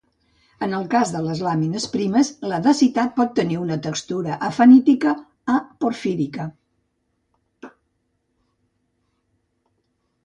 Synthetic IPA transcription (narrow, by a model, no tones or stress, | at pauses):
ənəlˠkazðələzlaminəspɾiməzləðəsit̪at̪̚pɔt̪ːəniunət̪əkst̪uɾəʔəfənit̪ikəː | poɾfiɾikə